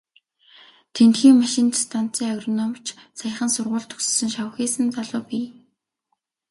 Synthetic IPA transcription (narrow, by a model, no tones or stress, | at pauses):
t̪ʰent̪xiːŋmaʃɪ̆nt̪st̪ʰan̥t͡siːŋaɣrɔnɔmt͡ɕʰsaj̆χə̆nsʊrʁʊːɮt̪ʰɵ̥kssɵ̆ŋʃaw̆xeːsɘ̆nt͡saɮʊːpiː